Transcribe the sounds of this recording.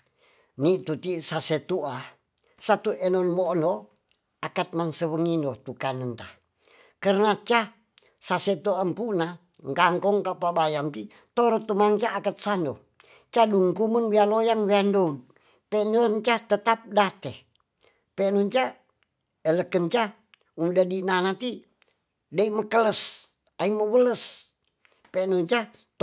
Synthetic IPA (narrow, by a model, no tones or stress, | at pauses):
nit̪ut̪isaset̪ua | sat̪uʔɛnɔnmoʔno | akat̪̚mansəwəŋinot̪ukanənt̪a | kərnat͡ʃa | saset̪uampuna | ŋkaŋkɔŋkapabajamki | t̪oɾɔt̪umaŋt͡ʃaʔːkat̪̚sano | t͡ʃaduŋkumənwialojaŋwiandod | pɛnont͡ʃat̪ət̪ap̚dat̪ɛ | pɛnuɲt͡ʃa | ələkənt͡ʃa | umdadinanat̪i | daiməkələs | aiməwələs | pɛnuɲt͡ʃa